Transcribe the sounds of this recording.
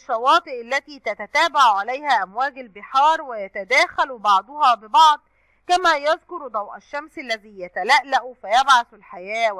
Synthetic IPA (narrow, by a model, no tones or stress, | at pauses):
ʃːɑwɑːt̪ˤɨʔalːæt̪iːt̪æt̪æt̪æːbaʕʕalæjhæːʔæmwæːɡælbɪħɑːɾˤwɪjæt̪æd̪æːxælbɑʕd̪ˤohɑːbɪbɑʕd̪ˤ | kæmæːjɑzkʊɾd̪ˤɑwʔæʃːæmsælːæziːjæt̪ælæʔlæʔfæjæbʕaθɪlħajæː